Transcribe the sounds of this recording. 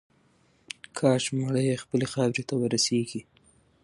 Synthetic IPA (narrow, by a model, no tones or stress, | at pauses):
kʰɑʃmaɽəjexpəlexɑwɾet̪awəɾaseɡi